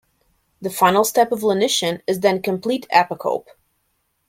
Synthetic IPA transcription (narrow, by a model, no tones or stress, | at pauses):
ðɨfãɪ̃nl̩ˠstɛpʌvlənɪʃɨ̃nɨzðɨ̃nkɨ̃mpʰl̥iɾʰæ̰pəkʰo̰ʊp